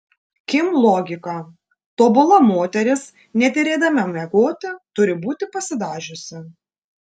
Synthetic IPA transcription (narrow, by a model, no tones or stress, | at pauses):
kʲɪmlˠɔːɡʲɪkɑ | t̪oːbʊlˠɐmoːt̪ʲɛɾʲɪs | nʲɛt̪ʲɪɾʲeːd̪ɐmʲɛmʲɛɡoːt̪ʲɪt̪ʊɾʲɪbuːt̪ʲɪpɐsʲɪd̪ɑːʒʲʊsʲɪ